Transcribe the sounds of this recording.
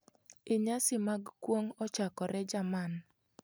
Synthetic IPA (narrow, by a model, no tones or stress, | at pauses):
ɪɲasɪmaɡkwoŋɔt͡ʃakɔɾɛd͡ʒaman